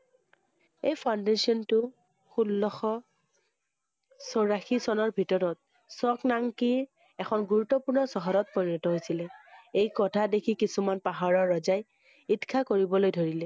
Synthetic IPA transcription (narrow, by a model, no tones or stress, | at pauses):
ejpʰandesiɔntʊ | xulːɔxɔ | sɔɹaxisɔnɔɹbʱitɔɹɔt̚ | sɔknaŋki | ɛkʰɔnɡuɹutːɔpuɹnɔsɔɦɔɾɔt̚pɔɹiɹɔtɔɦojsilɛejkɔtʰadekʰikisumanpaɦaɹɔɹːɔzaj | itkʰakoɹibɔlojdʱoɹilɛ